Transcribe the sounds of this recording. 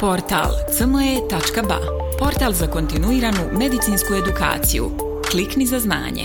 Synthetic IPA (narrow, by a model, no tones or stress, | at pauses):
po̞ɾt̪a̰lˠt̪səmoje̞t̪at͡ʃkaba̰ | po̞ɾt̪alˠzako̞nt̪inuiːɾanume̞d̪it̪sinskue̞d̪uka̰ːt̪sḭjṵ | kliknizazna̰ːɲḛ